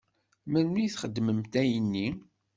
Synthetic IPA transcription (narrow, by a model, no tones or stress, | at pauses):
mænmiθχəd̪ːməmt̪æjənːi